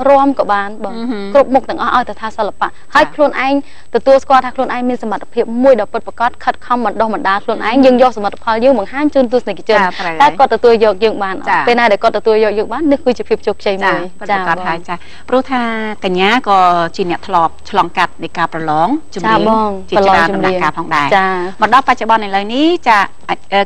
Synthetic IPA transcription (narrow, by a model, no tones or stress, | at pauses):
roəmkɑːɓaːnɓɑːŋkrup̚muk̚t̪ɛ̆əŋʔɑhʔaɔjt̪ət̪ʰaːsəlːapa̰ʔhaəjkʰluənʔaɛŋ | t̪ɔt̪uəlskŏəlt̪ʰaːkʰluənʔaɛŋmiənsɑmat̪ʰːapʰiəp̚muəjɗɑːpɨt̪̚pakɑt̪̚kʰət̪̚kʰɑmɓɑnɗohɓɑnɗaːlkʰluənʔa̰ɛŋjəːŋjoːhsamət̪ʰːḁpʰɑljəːŋɓɑŋɦaːɲt͡ɕuːnt̪uəsnekʰət͡ɕʊnrəaɛkŏət̪ːɔt̪uəljɔːk̚jəːŋɓaːnʔpeːlnaːɗaɛkŏət̪ːɔt̪uəljɔːk̚jɔːŋ̚ɓaːnːɨhkɨːt͡ɕiəpʰiəp̚t͡ɕoːkʰt͡ɕəjmuəjət̪̚t͡ɕaːɑt̪̚ːhaəjt͡ɕaː | prʊəht̪ʰaːkaɲːaːkɑːt͡ɕiənɛ̆əʔt̪ʰloːp̚t͡ɕʰlɑːŋkat̪̚nɨjkaːprɑlɑːŋt͡ɕumt͡ɕaiəɓːŋt͡ɕiət͡ɕlɑːaŋənt͡ɕumnlaiəŋkaːpʰɑːŋɗaɛt͡ɕaːməɗɑhpac̚t͡ɕoɓɑnʔajləniht͡ɕaː | aʔəː